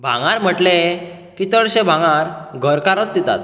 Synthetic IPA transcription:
bʱã̰ŋaɾm̤əʈle | kit̪əɽɕẽbʱãŋaɾɡʱəɾkaɾɔt̪̚d̪it̪a̰t̪

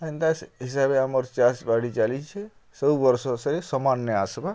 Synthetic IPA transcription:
əĩnd̪asɦisabeaməɾt͡ʃasbaɽit͡ʃalit͡ʃʰe | səubəɾsosəɾisəmanjəasba

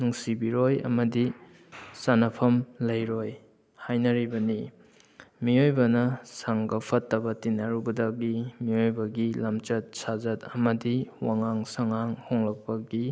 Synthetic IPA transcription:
nuŋsibiɾojɐ̰mɐdi | sanɐpʰɐmlɐjɾoj | hajnɐɾibɐni | miojbɐnɐsaŋɡɐpʰɐtːɐbɐtinːaɾubɐdɐɡimiojbɐɡilamt͡ʃɐt̚sazɐtɐmɐdiwaŋaŋsaŋaŋhoŋlɐk̚pɐɡi

